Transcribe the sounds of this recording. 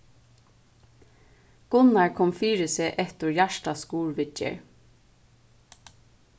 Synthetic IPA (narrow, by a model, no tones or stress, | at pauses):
ɡ̥ʊnaɹkʰɔmfiːɹɪsɛʔɛt̪ʊɹjæʃʈaskuːɹʋɪt͡ʃə̰ɹ